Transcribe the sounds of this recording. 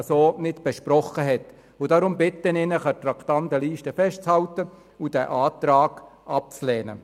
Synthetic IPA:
soːnɪtb̥ɛʃprɔχəɦɛt | ʊdɑɾʊmbɪt̪ːənɪnəχət̪rɑkt̪ɑntəliːʃtəfɛʃtt͡shɑwtə | ud̥ɛ̰ʔɑːtɾɑːɡ̥ʔɑp̚t͡slɛːnə̰

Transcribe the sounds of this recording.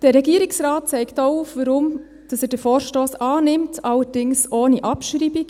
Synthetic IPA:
d̥əɾɛɡiəɾiksɾɑːt̚t͡sɛɪktoʊufʋəɾʊm | d̥ɑsɛːd̥əfoːɾʃtoːsɑːnɪmtʰɑləɾd̥ɪŋsoːniʔɑpʃɾibik

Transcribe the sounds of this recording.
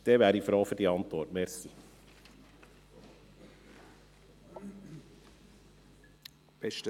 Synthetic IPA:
d̪̥ɛvæːɾifɾoːfʏɾdiɑnt̪ʋɔɾtmɛɾsi | b̥ɛʃtə

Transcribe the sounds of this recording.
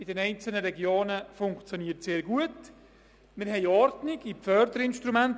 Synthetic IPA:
ɪdɛnɛɪnt͡sl̩nəɾɛɡjoːnəfʊŋkt͡sjoniətseːɾɡuət | mɪɾɦɛɪɔɾtnɪɡipfœɾdəɾɪnʃtɾumænt

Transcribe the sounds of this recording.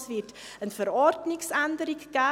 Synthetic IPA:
svirt | ənfəɾɑːrtniksandəɾikkæ

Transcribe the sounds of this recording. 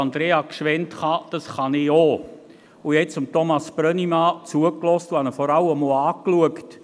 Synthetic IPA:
ɑnd̪ɾeːɑkʃʋɛntχɑd̥ɑsχɑnɪoː | ʊjɛt͡sʊmtɔmɑsb̥rœnimɑːt͡suəklɔstuhɑnəfɔɾɑləmɔːɑːkluəkt

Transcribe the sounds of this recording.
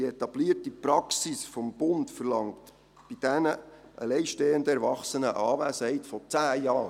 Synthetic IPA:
iet̪ɑb̥liətipɾɑksisfɔmb̥ʊntfərlɑŋkt | b̥id̥ænə | ʔəlɛɪʃteːəndəɛɾvɑχsənəʔɑːvæːsəhɛɪtfɔt͡sæːjɑː

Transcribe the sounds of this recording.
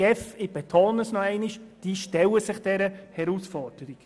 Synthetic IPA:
ɛfɪb̥et̪ʰoːnəsnɔɛɪniʃd̥iːʃtɛləsɪχd̥ɛɾəhɛɾusfɔɾd̥əɾik

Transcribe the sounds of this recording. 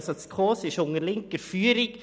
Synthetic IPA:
soskʰoːsɪʃʊŋəlɪŋkəɾfyːəɾɪk

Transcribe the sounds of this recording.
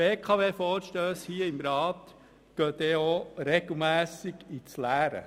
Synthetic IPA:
beːkʰɑːʋeːfɔːɾʃtøːshiəɪmɾɑːt̪ | ɡ̥øːt̪eoɾeɡl̩ˠmæːsɪɡit͡slæːɾə̰

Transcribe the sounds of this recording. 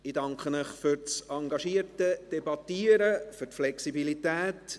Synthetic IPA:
ɪdɑŋkχənəχfʏɾt͡sɑŋɡɑʃiːəɾtəd̥ɛbɑt̪iːəɾəførtflɛksibilitæːt

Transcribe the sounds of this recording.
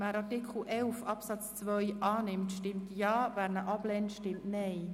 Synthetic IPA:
mæɾɑɾtɪkʰχl̩ʔɛlfɑpsɑt͡st͡sʋœʏʔɑːnɪmtʃtɪmtjɑːvæːɾnəʔɑb̥lɛntʃtɪmtnɛɪ

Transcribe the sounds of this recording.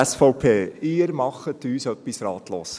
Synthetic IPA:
ɛsfɔʊpʰeːɪːɾmɑχətyːsœpːisrɑːtʰlo̰ːs

